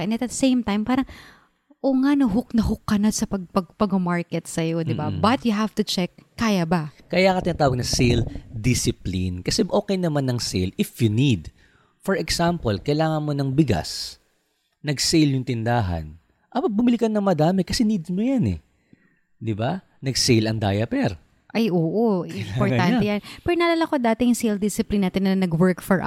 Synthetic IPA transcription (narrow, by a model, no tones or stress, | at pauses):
ɛ̃nɐt̪̚ɐsẽjmt̪ajmpaːɾɐŋ | ʔoŋaʔnɐɦʊknɐhʊkːɐnɐsɐpɐɡ̚pɐɡpɐɡomaɹkɛt̪sɐjod̪ɪbabɐt̪jʊɦaft̪ʊt͡ʃɛkːaːjabɐkɐjakɐt̪ɪnaːt̪aːwɐɡ̚nɐsejld̪ɪsɪplinkɐsɛʔo̞ːkɛjnɐmanːɐŋsejlɪfjʊnid̪ | foɹɛksampolkɐjlaːŋɐnmo̞nɐŋbɪɡa̰s | nɐɡsejljʊŋt̪ɪnd̪aːɦɐ̰n | ʔɐpɐbʊmɪlikɐnːɐŋmɐd̪aːmɛkɐsɛniːd̪mojanɛ̰ | d̪ɪba | nɐɡsɛjlɐŋd̪a̰ːjɐpɛɾ | ʔɐjʔoːʔoɪmapoɹt̪ant̪ɛjanpɛɾonɐlɐlɐkod̪aːt̪ɛjʊŋsejld̪ɪsɪplinːaːt̪ɪnːɐnɐɡwɛɹkfɔɹʔ